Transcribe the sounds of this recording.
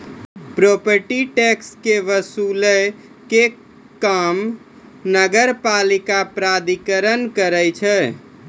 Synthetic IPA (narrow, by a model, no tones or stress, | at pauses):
pɾopəɾʈiʈekskeʋəsulə | ke | kam | nəɡəɾpalikapɾad̪ikəɾənkəɾəjt͡ʃʰɛ